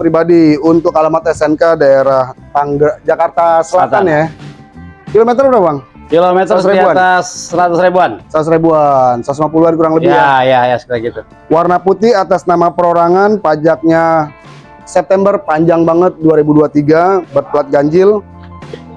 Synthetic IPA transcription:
pɾibadiunt̪ʊkalamat̪ɛsɛnkadaeɾaht̪aŋɡad͡ʒakart̪asəlat̪anja | kilomɛt̪ərbɾabaŋ | kilomɛt̪əɾeaaasːəɾat̪usɾibuansausɾebuansas̬mapuluankuɾaŋləbɪhjajajasə̥kilaɡit̪u | warnaput̪ɪat̪asnamapəɾoɾaŋanpad͡ʒak̚ɲa | sɛp̚t̪ɛmbərpaɲd͡ʒaŋbaŋət̪̚duaɾibuduat̪iɡabərpəlat̪̚ɡaɲd͡ʒɪl

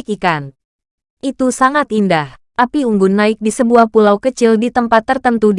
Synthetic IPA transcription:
kikan | ʔit̪usaŋat̪indaht̪apiuŋɡʊnːaɪk̚disəbuahpulawkət͡ʃɪldit̪əmpat̪ːərt̪ənt̪ud

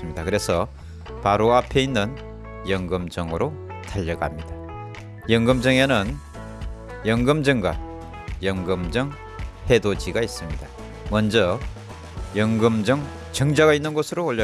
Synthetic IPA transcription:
ɯmɲid̥akɯɾe̞sʰʌ | paɾoapʰe̞inːɯn | jʌŋɡɯmd͡ʑʌŋɯɾo | tʰaʎːʌɡa̰mɲid̥a | jʌŋɡɯmd͡ʑʌŋenɯn | jʌŋɡɯmd͡ʑʌŋɡwa̰ | jʌŋɡɯmd͡ʑʌŋ | he̞dod͡ʑiɡais͈ɯmɲid̥a | mʌnd͡ʑʌ | jʌŋɡɯmd͡ʑʌŋ | t͡ɕʌŋd͡ʑaɡainːɯnɡʌsʰɯɾoːʎʌ

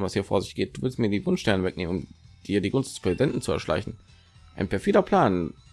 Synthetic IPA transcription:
nvashiːɐfo̰ːɐzɪçtɡ̥eːt̚d̥uːvɪlstmiːɐdiːvʊnʃtɛɐnəvɛk̚nḛːmənʊmd̥iːɐdiːɡʊnstd̥ɛspʁ̥ɛzidɛntn̩t͡suɛɐʃlʔa̰ɪçn̩ | ʔaɪnpʰɛɐfeːdɐpʰl̥aːn

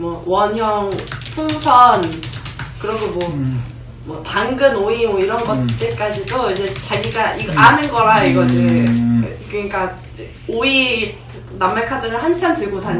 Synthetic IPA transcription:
mwʌwʌnɦjʌŋsʰusʰʌn | kɯɾʌɡomwʌ | mwʌtaŋɡɯnoimwoiɾʌnɡʌt̚t͈ek͈ad͡ʑidoid͡ʑe̞t͡ɕaɡiɡaʔianɯnɡʌɾaiɡʌd͡ʑʰi | kɯɲik͈a | oi | namːekʰadɯɾɯɭhant͡ɕʰantɯɭɡota

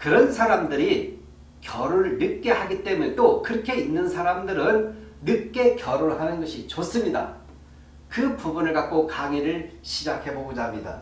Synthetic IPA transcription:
kɯɾʌnsʰaɾamdɯɾi | kjʌɾoɭnɯk͈e̞haɡit͈e̞munetokɯɾʌkʰe̞inːɯnsʰaɾamdɯɾɯnːɯk͈e̞kjʌɾoɭɦanɯnɡʌɕʰit͡ɕos͈ɯmɲida̰ | kɯpubunɯɭkat̚k͈okaŋiɾɯɭɕʰid͡ʑakʰe̞boɡod͡ʑamɲida̰

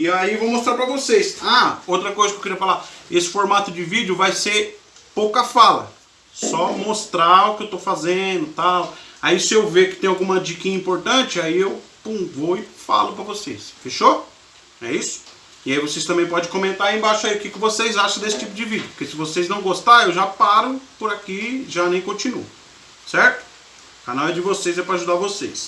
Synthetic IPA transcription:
ɪaievowmost̪ɾaɾpɾɐvosejsaowt̪ɾɐkojzɐkewkɪɾiɐfalaesɪ̥foɾmat̪ʊd͡ʒɪvid͡ʒjʊvajseɾ | powkɐfalɐ̰ | sɔmost̪ɾaʊkɪewt̪owfazẽd̪ʊt̪awaisɪewvekɪ̥t̪ẽj̃awɡũmɐd͡ʒikĩɲĩpoɾt̪ɐ̃t͡ʃɪaiewpũvoɪfa̰lʊpɾɐvosesfeʃo | ɛ̰isʊ̥ | ɪaivosejs̬t̪ɐ̃mbẽj̃pɔd͡ʒẽj̃kõmẽnt̪aɾẽbaʃʊaiʊkɪkɪvosejzaʃɐ̃d̪esɪ̥t͡ʃipʊd͡ʒɪvid̪ɐpʊɾkesɪvoseznɐ̃w̃ɡost̪aewʒapaɾʊpʊɾakiʒanẽj̃kõt͡ʃinṵʊ | sɛɾt̪ʊ̥ | kanawɛd͡ʒɪvosejzɛpɾaʒud̪avosḛs

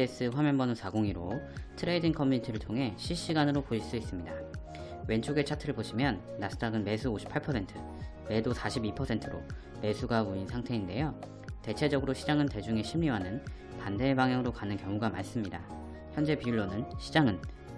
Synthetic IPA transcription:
es͈ɯɸwamjʌnbʌnosʰaɡoŋiɾotʰɯɾeidiŋkʰʌmːiɲitʰiɾɯɭtʰoŋɦe̞ɕʰiɭɕ͈iɡanɯɾopoiɭs͈uis͈ɯmɲida | we̞nt͡ɕʰoɡe̞t͡ɕʰatʰɯɾɯɭboɕʰimjʌnːasʰɯ̥t͈aɡɯnme̞sʰuoɕʰi̥pʰːaɭpʰʌsʰe̞ntʰɯ | me̞dosʰaɕʰibipʰʌsʰe̞ntʰɯɾo̰ | me̞sʰuɡaoinsʰaŋtʰe̞inde̞jo | te̞t͡ɕʰe̞d͡ʑʌɡɯɾoɕʰid͡ʑaŋɯnte̞d͡ʑuŋe̞ɕʰimɾiwanɯn | pande̞baŋjaŋɯɾokanɯnkjʌŋuɡama̰ns͈ɯmɲida | çjʌnd͡ʑe̞piuɭːonɯnɕʰid͡ʑaŋɯn

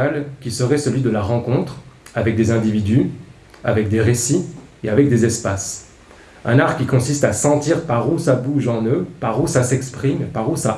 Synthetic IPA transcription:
alkʲisəʁɛsəlɥid̪əlaʁɑ̃kɔ̃t̪χavɛk̚d̪ezɛ̃d̪ivid̪y | a̰vɛkd̪eʁesieavɛk̚d̪ezɛspas | ɛ̰̃naʁkʲikɔ̃sist̪asɑ̃t̪iʁpaʁusabuʒɑ̃nøpaʁusasɛkspχimpaʁusa

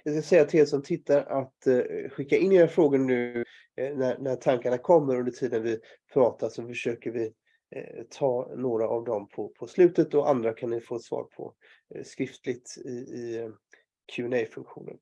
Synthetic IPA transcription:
vɪs̬kasɛjːat̪ʰɪlɛsɔmt̪ʰɪt̪ːaɾat̪ɧɪkːaɪnd̪ɪnæːfɾoːɡʊnːʉ̟ː | næɾnæʈʰaŋkaɳakʰɔmːəɾɵnd̪əʈʰiːd̪ənvɪ | pʰɾɑːt̪aʂɔfəʂøːkəɾvɪ | t̪ʰɑːnoːɾaʔavd̪ɔmpʰɔpʰɔslʉ̟ːt̪ət̪ɔʔa̰nd̪ɾakʰannɪfoːɛt̪svɑ̰ːɾpʰɔ̰ | skɾɪft̪lɪɡt̪ɪɪ | kʰʉːɛnɛjfɵŋkɧṵːnə̰n

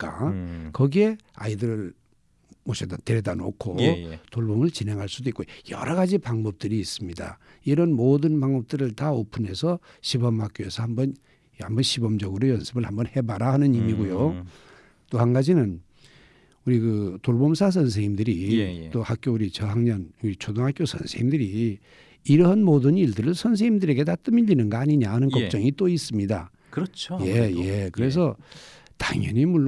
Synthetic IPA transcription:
k͈a̰kʌɡie̞a̰idɯɾɯɭ | mʌɕʰetʌnteɾedano̰kʰotoɭbomɯɭt͡ɕinɦe̞ŋɦaɭs͈udoik͈ojʌ̰ɾʌɡad͡ʑipaŋbʌp̚t͈ɯɾiːs͈ɯmɲida̰ | iɾʌnmodɯnpaŋbʌp̚t͈ɯɾɯɭtaopʰɯne̞sʰʌ | ɕʰibʌmak͈̚joesʰʌhambʌn | hambʌnɕʰibʌmd͡ʑʌɡɯɾojʌnsʰɯbɯɭhambʌnhe̞baɾahanɯnimiɡujo | t͈ohanɡad͡ʑinɯn | uɾikɯtoɭbomsʰas̬ʰʌns̬ʰeŋimdɯɾit͈ohak͈jouɾit͡ɕʌɦaŋɲʌnuɾit͡ɕʰodoŋɦak͈josʰʌnsʰeŋimdɯɾiː | ɾʌɦanmodɯniɭdɯɾɯɭsʰʌns̬ʰeŋimdɯɾe̞ɡe̞tat͈ɯmiʎːinɯnɡaaɲiɲahanɯnkʌk̚t͡ɕ͈ʌŋit͈ois͈ɯmɲida̰ | kɯɾʌt͡ɕʰjeje̞kɯɾe̞s̬ʰʌ | ta̰ŋjʌ̰ɲimuɭː

